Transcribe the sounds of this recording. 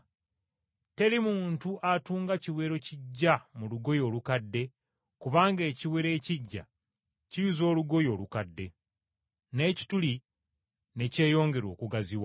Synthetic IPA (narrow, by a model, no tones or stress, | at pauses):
te̞limuːntuʔatuːŋɡaciwe̞ːɾo̞ciɟːamuluɡo̞jo̞ːlukadːe̞ | kuβaːŋɡe̞ːciwe̞ɾe̞ːciɟːa̰ | cijuzo̞ːluɡo̞jo̞ːlukadːe̞ | ne̞ːci̥tuli | ne̞ce̞ːjo̞ːŋɡe̞ɾo̞ːkuɡaziwa